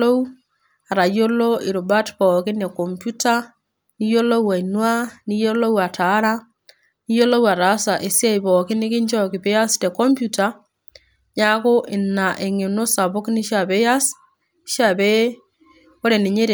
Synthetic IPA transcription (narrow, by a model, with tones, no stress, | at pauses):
o˦ | a˨ɾa˨jo˦lo˦ɪ˨ɾu˨ba˦tpɔ˨kɪ˦ne˨ko˨mpju˦ta˦ | ni˦jo˦lo˦wa˨i˨nwa˦ni˦jo˦lo˦wa˨tʰa˨˦ɾa˦ | ni˦jo˦lo˦wa˨ɾa˨˦sa˨ʔe˨si˦a˦jbɔ˨kɪ˦nɪ˦kɪ˦nt͡ʃɔ˦kɪ˨pe˦ja˦ste˨kɔ˦mpju˨ta˨ | ɲa˦ko˦ʔɪ˨na˨ʔe˨ŋe˨no˦sa˨bo˦knɪ˦ʃa˨pe˦ja˦s | ʃa˨be˦ | o˦ɾe˨ni˨ɲe˦ɾ